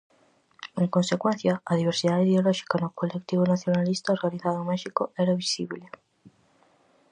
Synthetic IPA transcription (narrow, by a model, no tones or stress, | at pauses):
ẽŋkonsekwɛ̃n̟θjɐɐðiβ̞eɾsiðaðeiðeolɔʃi̥kanʊkolekt̪iβonaθjonalist̪aoɾɣaniθaðomɛʃikoɛɾaβisiβle